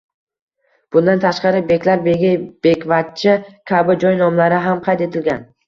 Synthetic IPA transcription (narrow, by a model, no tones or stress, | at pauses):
b̥ʊnd̪ant̪ʰaʃqɑɾɪbe̞kʲlaɾbe̞ɡʲɪb̥e̞kʲvat̪̚t͡ʃʰɪkʲʰabɪd͡ʒɒjnɒmlaɾɪɦamqʰɑjt̪e̞t̪ʰɪlɡʲan